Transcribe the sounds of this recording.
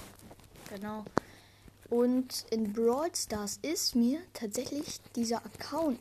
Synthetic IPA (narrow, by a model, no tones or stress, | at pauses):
ɡ̥ənaʊ | ʔʊntʔɪnbʁɔʏtstaːɐsɪstmiːɐtʰaːtz̥ɛçlɪçd̥iːzɐʔɐkʰaʊn